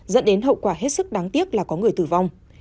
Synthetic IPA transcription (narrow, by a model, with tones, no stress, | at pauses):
zə̰˧˥nɗe˨˦nɦə̰˧˨wkwaː˧˩ɦe˦˥t̚sɨ˦˥k̚ɗaː˨˦ŋt̪i˦˥ək̚laː˨˩kɔ˨˦ŋɨ˨˩əjt̪ɨː˧˩va˧wŋ͡m